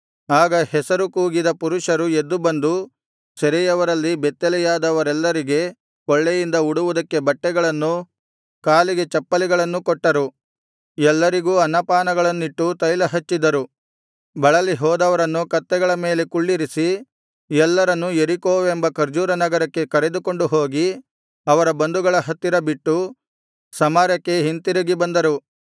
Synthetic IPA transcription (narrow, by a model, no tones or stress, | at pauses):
aːɡɐhɛsɐɾukuːɡid̪ɐpuɾuʂɐɾued̪ːubɐnd̪u | sɛɾɛjɐʋɐɾɐlːibɛt̪ːɛlɛjaːd̪ɐʋɐɾɛlːɐɾiɡe̞ | kɔɭːejind̪ɐuɽuʋud̪ɐkːe̞bɐʈːɛɡɐɭɐnːu | kaːliɡe̞t͡ʃɐpːɐliɡɐɭɐnːukɔʈːɐɾu | ɛlːɐɾiɡuːɐnːɐpaːnɐɡɐɭɐnːiʈːut̪ɐjlɐɦɐt͡ʃːid̪ɐɾu | bɐɭɐliɦɔːd̪ɐʋɐɾɐnːukɐt̪ːɛɡɐɭɐme̞ːle̞kuɭːiɾisi | ɛlːɐɾɐnːueɾikoːʋembɐkɐɾd͡ʒuːɾɐnɐɡɐɾɐkːe̞kɐɾe̞d̪uko̞ɳɖuɦoːɡi | ɐʋɐɾɐbɐnd̪uɡɐɭɐɦɐt̪ːiɾɐbiʈːu | sɐmaːɾjɐkːe̞ɦint̪iɾuɡibɐnd̪ɐɾu